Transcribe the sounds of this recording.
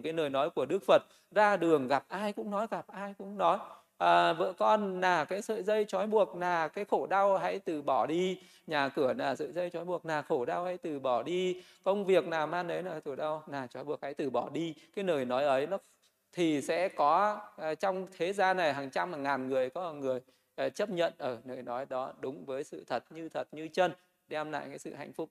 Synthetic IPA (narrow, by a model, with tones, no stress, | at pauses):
kaː˨˦jnəː˨˩jnɔ˨˦jku˧˩əɗɨ˦˥ək̚fə˨˩t̚ | zaː˧ɗɨ˨˩əŋɣa˨˩p̚ʔaː˧jkʊ̰˧˥ŋ͡mnɔ˨˦jɣa˨˩p̚ʔaː˧jkʊ̰˧˥ŋ͡mnɔ˨˦j | ʔəː˨˩vɨ̰˧˨kɔ˧nːaː˨˩kaː˨˦jsə̰ː˧˨jzə˧jt͡ɕɔ˨˦jɓu˨˩ək̚naː˨˩kaː˨˦jxo˧˩ɗa˧wha̰˧˥jt̪ɨ˨˩ɓɔ˧˩ɗi˧ | ɲaː˨˩kɨ˧˩ənaː˨˩zə̰ː˧˨jzə˧jt͡ɕɔ˨˦jɓu˨˩ək̚naː˨˩xo˧˩ɗa˧wha̰˧˥jt̪ɨ˨˩ɓɔ˧˩ɗi˧ | kə˧wŋ͡mvi˨˩ək̚naː˨˩maː˧nʔə˨˦jnaː˨˩t̪ʰu˧˩ɗa˧wnaː˨˩t͡ɕɔ˨˦jɓu˨˩ək̚ha̰˧˥jt̪ɨ˨˩ɓɔ˧˩ɗi˧kaː˨˦jnəː˨˩jnɔ˨˦jʔə˨˦jnɔ˨˦ | t̪ʰi˨˩sɛ̰˧˥kɔ˨˦˨t͡ɕɔ˧wŋ͡mt̪ʰe˨˦zaː˧na˨˩jɦaː˨˩ŋt͡ɕa˧maː˨˩ŋaː˨˩nŋɨ˨˩əjkɔ˨˦˨ŋɨ˨˩əj | ʔt͡ɕə˦˥p̚ɲə̰˧˨nʔəː˨˩nəː˨˩jnɔ˨˦jɗɔ˨˦ɗʊ˨˦ŋ͡mvəː˨˦jsɨ̰˧˨t̪ʰə˨˩t̚ɲɨ˧t̪ʰə˨˩t̚ɲɨ˧t͡ɕə˧n | ɗɛ˧mla̰ː˧˨jkaː˨˦jsɨ̰˧˨ha̰˧jŋ̟fʊ˦˥k͡p̚